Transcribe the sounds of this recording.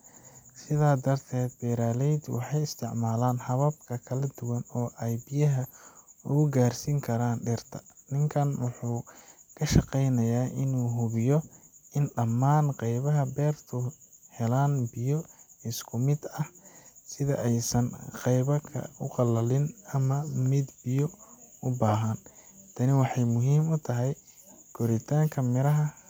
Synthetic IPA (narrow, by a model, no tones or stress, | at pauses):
sɪðaːd̪ɐrt̪ʰɛːd̪̚bɛːɾaːlɛjd̪wɑ̰ħɑjɪst̪ʰɪʕmaːlaːnhɐβɐb̚kʰɐkʰɐlɐd̪ʊwɐnɔːʔɛjbɪjɐɦɐʊɣʊɡaːrsiːŋkʰɐɾaːnɖɪrt̪ʰɐnɪŋkʰɐnwʊħuːkʰɐʃɑqɛjnɐjaːʔɪnuːɦʊβɪjɔɪnɖɐmːaːnqɑjβɐɦɐbɛːrt̪ʰʊhɛlaːnbɪjɔɪskʰʊmɪd̪ɐhsɪðɐʔɛjsɐnqɛjβɐkʰɐ̰ʊqɑlɐlɪnɐmɐmɪd̪bɪjɔʊbaːɦɐnt̪ʰɐnɪwɑħɑjmʊɦiːmʊt̪ʰɐɦɛj | kʰɔɾɪt̪ʰaːŋkʰɐmɪɾɐɦɐ